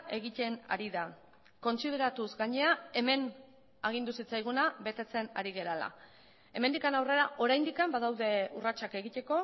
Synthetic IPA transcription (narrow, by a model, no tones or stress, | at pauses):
e̞ɣit̪e̞na̰ɾiða | ko̞nsið̞e̞ɾat̪uzɡaɲe̞ae̞me̞n | aɣ̞ind̪usit͡sajɣ̞unaβe̞t̪e̞t͡se̞naɾiɣ̞e̞ɾala̰ | e̞me̞nd̪ikanawre̞ɾaʔo̞ɾajnd̪ikambað̞awðe̞urat͡ʃake̞ɣit̪e̞ko̞